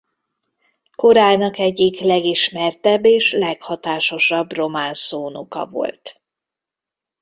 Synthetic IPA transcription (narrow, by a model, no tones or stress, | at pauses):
ko̞ɾaːlnɒkɛɟːiklɛɡiʃmɛrt̪ɛbːeːʃlɛkhɒt̪aːʃo̞ʃɒbro̞maːnsoːnukɒ̰vo̞̰lt̪